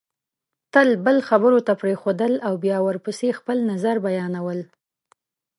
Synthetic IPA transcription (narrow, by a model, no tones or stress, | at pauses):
t̪əlbəlxabəɾot̪apɾexod̪əlawbjɑwəɾpəsexpəlnazaɾbajɑnawəl